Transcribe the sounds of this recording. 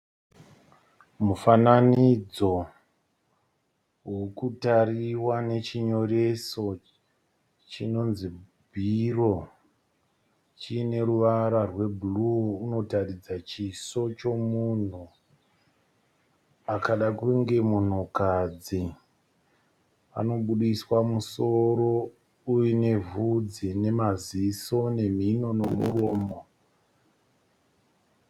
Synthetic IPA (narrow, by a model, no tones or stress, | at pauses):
mufananid͡zo̞ | wokutariwane̞t͡ʃiɲo̞ɾe̞so̞ | t͡ʃino̞nzi | bʱiro̞ | t͡ʃine̞ɾuʋaɾarwe̞bʱuluuno̞tarid͡zat͡ʃiso̞t͡ʃo̞mun̤u | akaɗakuŋɡe̞mun̤ukad͡zi | a̰no̞ɓuɗiswamuso̞ɾo̞ | ujine̞vud͡zine̞maziso̞ne̞m̤ino̞nomṵroːmo